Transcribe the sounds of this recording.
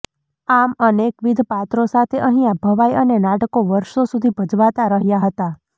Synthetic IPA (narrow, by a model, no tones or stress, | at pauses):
amənekʋid̪ʱpat̪ɾosat̪ʰeʔəɦĩabʱəʋajənenaʈəkoʋəɾʃosud̪ʱibʱəd͡ʒʋat̪aɾəɦjaɦət̪a